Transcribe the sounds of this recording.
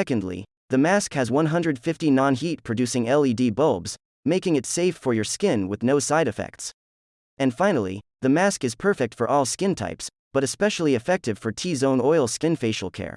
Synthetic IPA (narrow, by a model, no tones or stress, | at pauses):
ɛkɨ̃ndˡlḭ | ðɨmæskhɨzwʌ̃nɦʌ̃ndɹɨd̥fɪftinɑ̃nɦit̚pʰɹ̥ɨdʉsɪ̃ŋɛlˠidibʌlˠbz̥ | meɪkɪ̃ŋɨtseɪfə˞jə˞skɪ̃nwɨðnoʊsaɪɾɨfɛ̰k̚ts | ɨ̃nfãɪ̃nl̩ˠḭðɨmæskɨz̥pʰɜ˞fɪk̚tfə˞ʔɔlˠskɪ̃ntʰa̰ɪps | b̥ʌɾɨspɛʃl̩ˠiɨfɛk̚tɨv̥fə˞tʰizõʊ̃nɔɪlˠskɪ̃nfeɪʃl̩ˠkʰɛ̰ɹ